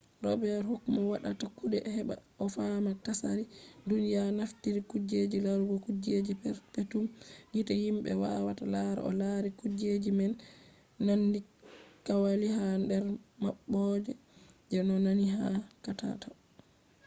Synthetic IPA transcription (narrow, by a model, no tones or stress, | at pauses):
ɾɔ̰bɛɾhokːmawaɗatakuɗɛhɛɓa̰ | ɔfamatasaɾidunijanaftiɾikud͡ʒed͡ʒilaɾuɡɔkud͡ʒed͡ʒipɛɾpetumɡitahimɓɛ̰wawatalaɾa̰ɔlaɾikud͡ʒed͡ʒimɛnː | andikawaliɦandɛɾmaɓːɔd͡ʒɛ | d͡ʒɛnɔnaniɦakata̰ta